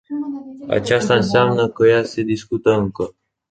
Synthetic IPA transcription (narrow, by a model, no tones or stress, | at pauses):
a̰t͡ʃast̪aɨnseamnəkəjase̞d̪iskut̪əɨŋkə